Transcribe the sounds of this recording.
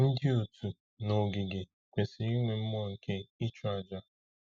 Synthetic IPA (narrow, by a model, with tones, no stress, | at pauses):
n̩˦dɪ˦o˨tu˨ | no˨ɡi˨ɡe˨ | kʷe˨si˨i˦ŋʷe˨m̩˦mɔ˦˨ŋ̩˨kʰe˦i˦t͡ʃu˦a˨d͡ʒa˦